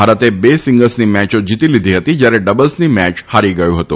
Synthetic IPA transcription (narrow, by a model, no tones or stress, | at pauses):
aɾət̪ebesɪ̃ŋɡəlsnimɛt͡ʃod͡ʒit̪ilid̪ʱiɦət̪id͡ʒjaɾeɖəbəlsnimɛt͡ʃhaɾiɡəjũɦət̪ũ